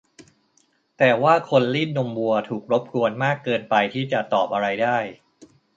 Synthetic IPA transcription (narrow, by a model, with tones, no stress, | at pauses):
t̪ɛː˨˩waː˥˩kʰo˧nli˥˩nːo˧mbu˧ɐt̪ʰuː˨˩k̚ɾo˦˥p̚kʰu˧ənmaː˥˩kːɤː˧npa˧jt̪ʰiː˥˩t͡ɕa˨˩t̪ɔː˨˩p̚ʔa˧ɾa˧jdaː˥˩j